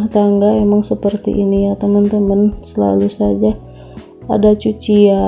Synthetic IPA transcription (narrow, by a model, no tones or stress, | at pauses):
t̪aŋɡaemaŋsəpərt̪ḭʔinijat̪əmənt̪əmənsəla̰lusad͡ʒa | a̰dat͡ʃut͡ʃia